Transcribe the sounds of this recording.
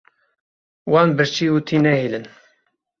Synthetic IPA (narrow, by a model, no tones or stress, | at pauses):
wɑːnbəɾt͡ʃiut̪ʰiːnɛhilən